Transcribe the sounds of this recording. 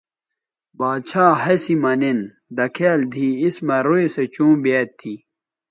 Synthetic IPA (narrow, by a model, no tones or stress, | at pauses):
baːd̪t͡ɕʰaːɦɐsimɐnin | d̪ɐkʰeːld̪ʱiːsmɐɾueset͡ɕũːbeːt̪ʰːi